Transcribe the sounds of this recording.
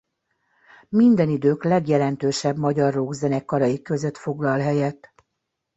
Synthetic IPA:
mind̪ɛnid̪øːklɛɡjɛlɛnt̪øːʃɛbmɒɟɒrːoɡzɛnɛkːɒɾɒjikːø̞zø̞t̪fo̞ɡlɒlɦɛjɛt̪ː

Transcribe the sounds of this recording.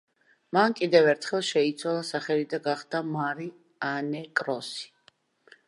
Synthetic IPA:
mankʼid̪ɛvɛɾt̪ʰχɛlˠʃɛit̪sʰwalˠasaχɛlid̪aɡaχd̪̥amaɾi | anɛkʼɾɔsi̥

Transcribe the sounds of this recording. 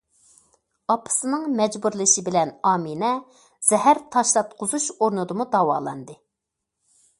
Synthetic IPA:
ɑpʰɨ̥sɨnɨŋmɛd͡ʒbuɾlɨʃibɪlɛnɑːminɛ | z̥ɛɦæɾt̪ʰɑʃlˠɑt̪qʰʊzuʃoɾnɨd̪ɨmud̪ɑwɑ̰ːlˠɑ̰nd̪ɨ

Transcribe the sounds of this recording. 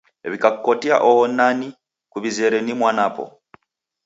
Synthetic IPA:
βikakukotia̰ʔohonani | kuβizeɾenimwanapo̰

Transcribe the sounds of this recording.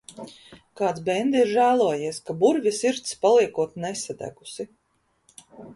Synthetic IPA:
kaːt̪sbɛnd̪iɾʒæːlˠuɔjiɛskabuɾvʲisiɾt̪spalˠiɛkuɔt̪nesad̪æ̰ɡusi

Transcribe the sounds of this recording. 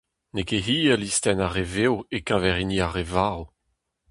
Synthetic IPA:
nekeɦiːəlist̪ɛnaʁevewekãvɛʁiniaʁevaːʁo

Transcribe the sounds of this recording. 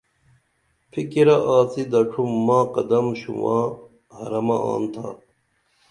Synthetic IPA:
fikiɾɐʔaːt͡sid̪ɐʈ͡ʂʰumːaːqɐd̪ɐmɕṵwaː | hɐɾɐmɐa̰ːnt̪ʰa̰

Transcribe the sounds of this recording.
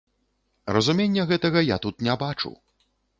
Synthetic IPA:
rɐzumʲenʲːɐɣɛt̪ɐɣɐjat̪ut̪nʲɛbat͡ʂṵ

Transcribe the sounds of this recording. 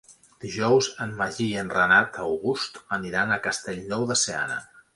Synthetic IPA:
d̪̥iʒɔwzəmβaʒiənrənat̪əwɣust̪əniɾanəkəst̪eʎnɔwðəsea̰nə̰

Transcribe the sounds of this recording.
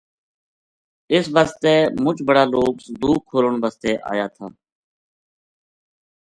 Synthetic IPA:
ɪsʋaːst̪eːmʊt͡ʃbəɽaːloːksd̪uːkʰːoːɾəɳʋaːst̪ɛːʔa̰ːjaːt̪ʰaː

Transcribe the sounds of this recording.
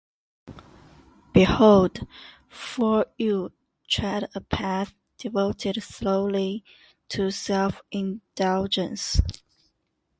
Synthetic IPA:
b̥ihoʊlˠd | fə˞ju | tʰɹæɾəpʰæθ | d̥ɪvoʊtʰɪdsloʊli | tʰusɛlfɪ̃nd̥ʌlˠd͡ʒə̃ns

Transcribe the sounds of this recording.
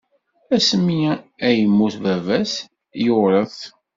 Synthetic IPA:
æsmːiæjəmːuθvævæs | joɾˤəθ

